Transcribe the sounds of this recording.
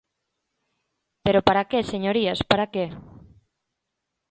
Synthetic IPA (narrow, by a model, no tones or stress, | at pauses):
peɾopaɾakeseɲoɾiaspaɾake